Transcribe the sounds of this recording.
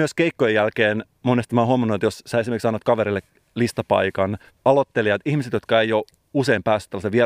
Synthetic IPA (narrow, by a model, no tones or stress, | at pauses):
yøskeikːojejælkeːn | monest̪imɑːɦuɑmːɑnːuet̪jossæːesimerksɑnot̪̚kɑʋeɾilːek | list̪ɑpɑ̰ikɑn | ɑlot̪ːeliɑt̪ihmiset̪jo̞t̪̚kɑejo | useimpæːsy̥t̪ːælːɑseʋie